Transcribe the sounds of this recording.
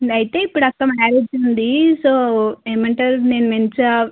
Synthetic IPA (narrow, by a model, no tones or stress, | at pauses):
ɐjt̪e̞ːipːuɽɐkːɐmaːɾed͡ʒd͡ʒund̪isoːeːmɐɳʈaːɾune̞ːnument͡ʃɐ